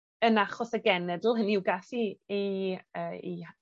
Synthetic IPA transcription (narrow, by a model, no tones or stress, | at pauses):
ənaχɔsəɡɛnɛdl̩ˠhəniuwɡasiiəːḭ